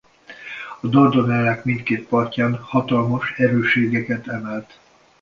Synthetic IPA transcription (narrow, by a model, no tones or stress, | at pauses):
ɒd̪ɒrd̪onɛlːɛkmint̪keːt̪̚pɒrcaːnhɒt̪ɒlmoʃɛɾøːʃeːɡɛkɛt̪ɛmɛlt̪